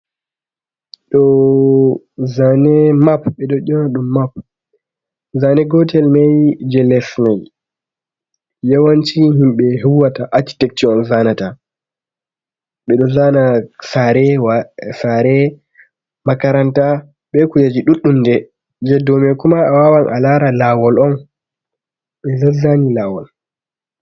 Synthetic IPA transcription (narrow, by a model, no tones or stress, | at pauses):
ɗɔ | zanɛmapɓɛɗɔɗɔnaɗumːap | zanɛɡɔtɛlmajd͡ʒɛlɛsmaj | jawant͡ʃihimɓɛɦuwːataʔat͡ʃːi̥tɛk̚t͡ʃiɔnzanata | ɓɛɗɔzanasaɾɛwasaɾɛ | makaɾanta | ɓɛkujad͡ʒiɗuɗːumdɛ | d͡ʒɛdɔmɛkumaːwawanʔa̰laɾalawɔlɔn | ɓɛzazanilawɔl